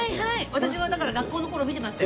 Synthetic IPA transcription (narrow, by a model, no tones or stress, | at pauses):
ihaiβat̪aɕiβad̪akaɾaɡakːoːno̞ko̞ɾo̞ːmʲit̪e̞masɨ̥t̪j